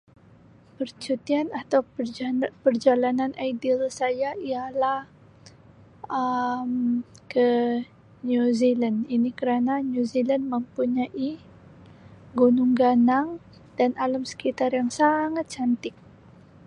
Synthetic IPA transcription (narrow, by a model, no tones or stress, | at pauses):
pərt͡ʃut̪ianat̪aw | pərd͡ʒalananʔajdilsajaijalah | əmkə | ɲuzilaninikəɾanaɲuzilandməmpuɲaʔi | ɡunʊŋɡanaŋ | danaləmsə̥kit̪arjaŋsaŋat̪̚t͡ʃant̪ɪk̚